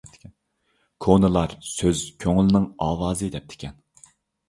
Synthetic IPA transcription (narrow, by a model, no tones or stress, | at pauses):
kʰonɨlˠɑɾsøzkʲʰøŋlɪnɪŋɑːwɑːzɨd̪ɛp̚t̪ʰɪ̥kʲʰɛn